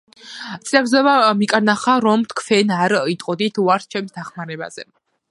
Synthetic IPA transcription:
t̪sʼiaɡzɔvamikʼaɾnaχaɾɔmt̪ʰkʰfɛnaɾit̪ʼqʼɔd̪it̪ʰuaɾt̪ʰt͡ʃʰɛmsd̪aχmaɾɛba̰z̥ɛ̰

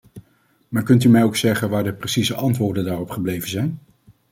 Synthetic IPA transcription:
maːɹkɵntymɛjowksɛχənʋaːɹdəprəsizəʔɑntʋʊːɹdəndaːrɔpχəblejvənzɛjn

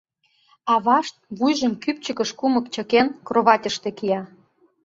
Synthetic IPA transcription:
ɑβɑʃt̪̚βujʒəmkyp̚t͡ɕəkəʃkuməkt͡ɕə̆kenkroβɑtʲəʃt̪ekijɑ

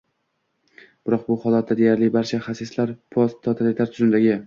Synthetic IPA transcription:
b̥ɪɾɒq̚bʊhɒlˠat̪̚ːad̪e̞jaɾlɪbaɾt͡ʃʰaχasɪslaɾpʰɒst̪ʰːɒt̪ʰalɪt̪ʰaɾt̪ʰʊzɪnd̪aɡʲɪ

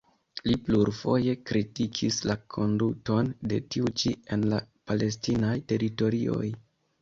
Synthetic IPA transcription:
lipluɾfo̞je̞kɾitikʰislakʰo̞nduto̞nde̞tiut͡ʃie̞nlapale̞s̬tinajte̞ɾito̞ɾio̞̰j

